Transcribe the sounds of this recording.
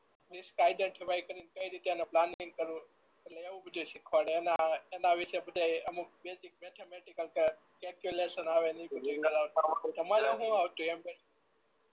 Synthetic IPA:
diskajɖ̪əɳʈʰebaikəɾinkəiɾit̪eeneplaniŋɡ̚kəɾũ | eʈleeʋũbʱəd̪usikʰʋaɽeenaenaʋɪʃebəd̪ʱajəmũbesik̚met̪ʰemeʈikəlkə | kɛlkjuleʃənaʋenəĩbəd̪ʱekəɾawt̪t̪əmaɾeɦũawt̪uembe

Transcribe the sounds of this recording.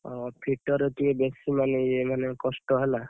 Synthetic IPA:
ɔpʰiʈɔɾɔtiebesimaneemanekɔsʈɔɦela

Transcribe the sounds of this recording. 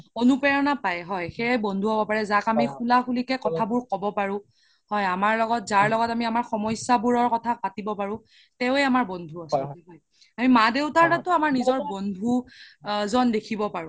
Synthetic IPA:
onupɛɹɔnapajɦɔjxejebɔndʱuɦɔbɔpaɹɛzakamixulaxulikɛkɔtʰabʊɹkɔbɔpaɹʊ̃ | hɔjamaɹlɔɡɔt̚zaɹlɔɡɔtamiamaɹxɔmɔjsabuɹɔɹkɔtʰapatibɔpaɹʊ̃ | tɛʊeamaɹbɔndʱuasɔɦɔj | amimadeʊtaɹtatʊamaɹnizɔɹbɔndʱu | zɔndekʰibɔpaɹʊ̃

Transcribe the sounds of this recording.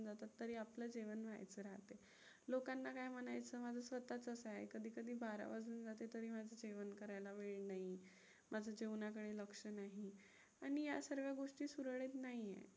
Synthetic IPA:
nd͡zat̪at̪ːəɾiːapləd͡ʑeʋənʋ̤ʱa̰jt͡səɾaɦt̪e | lokanːakajm̤ənajt͡səːmad͡zʱəːsʋət̪at͡səsaekəd̪ʱiːkəd̪ʱiːbʱaɾa̰ʋad͡zənd͡zat̪et̪əɾiːmad͡zʱəd͡ʑeʋənkəɾajlaʋeɭnaɦi | mʔad͡zʱəd͡ʑeʋnak̬əɽeləkʂənaɦi | aɽ̃ijasəɾʋjaɡoʂʈiːsuɾɭet̪naɦijḛ

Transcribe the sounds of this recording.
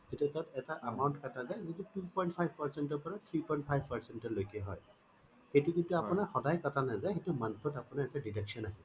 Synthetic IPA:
zetiatatɛtaʔamawntkatazajzitutupɔjnt̚pʰajbʱpaɹsɛntɔɹpɔɹat̪ʰɹipɔjnt̚pʰajbʱpaɹsɛntɔlojkiɛɦɔj | xejtukintuapʊnaɹxɔdajkɔtanazajxetumant̪ʰɔtapʊnaɹɛtaditɛksɔnaɦi

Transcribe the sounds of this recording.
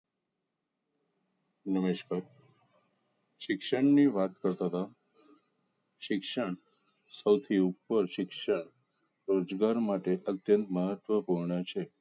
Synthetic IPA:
nəmeʃkaɾ | ʃɪkʃəɳniʋat̪kəɾt̪aɦt̪a | ʃɪkʃəɳ | səwt̪ʰiupːəɾʃɪkʃəɳ | ɾod͡ʒɡaɾmaʈeʔət̪jənt̪məɦət̪ʋəpuɾɳət͡ʃʰe

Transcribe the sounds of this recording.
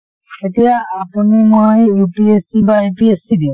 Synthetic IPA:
et̪ijaapunimojjupiesibaepiesid̪ĩ

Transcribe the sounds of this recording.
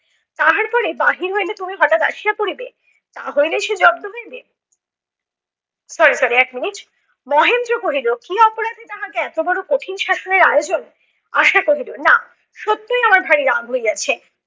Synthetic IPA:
t̪aɦaɾpɔɾebaɦiɾɦojlet̪omiɦɔʈat̪a̰ʃijakoɾibe | t̪a̰ɦojleʃed͡ʑɔb̚t̪oɦoebe | sɔɾisɔɾiɛkminiʈ | mɔɦend̪ɾokoɦilokiɔpoɾad̪ʱed̪aɦakeɛt̪obɔɾokoʈʰinʃaʃoneɾajod͡ʑon | a̰ʃakoɦiɾona | ʃot̪ːojamaɾbʱaɾiɾaŋɦoeɡat͡ɕʰe

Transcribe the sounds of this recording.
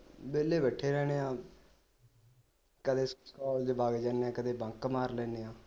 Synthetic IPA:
beːleːbɛːʈʰːeːɾɛːɽ̃eːãː | kəd̪eːsskɔːld͡ʒbaːɡed͡ʒaːneːãːkəd̪eːbə̃ŋkmaːɾlɛːneːãː

